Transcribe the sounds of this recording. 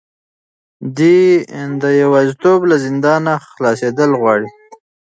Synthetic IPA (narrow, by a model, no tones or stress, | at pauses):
d̪id̪əjawɑzit̪oblazɪnd̪ɑnaxlɑsed̪əlɣwɑɽi